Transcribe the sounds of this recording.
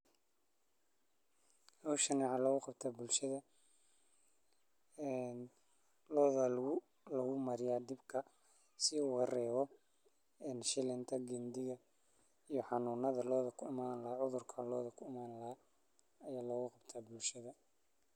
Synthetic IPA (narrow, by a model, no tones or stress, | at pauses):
hɔwʃɐniʕɑlɐɣʊqɑbt̪ʰaːbʊlʃɐðɐ | ɛn | lɔːðɐlɣʊ | lɐɣʊmɐɾɪjaːd̪ɪbkʰɐ | sɪuːɣɐrɛːβɔ | ɛːnʃɪlɪnt̪ʰɐɡɛnd̪ɪɣɐ | ijɔħɑnuːnɐðɐlɔːðɐkʰʊɪmaːnlɐhaʕʊðʊrkʰɐlɔːðɐkʰʊɪmaːnlɐɦa | ɐjaːlɔːɣʊqɑbt̪ʰaːbʊlʃɐðɐ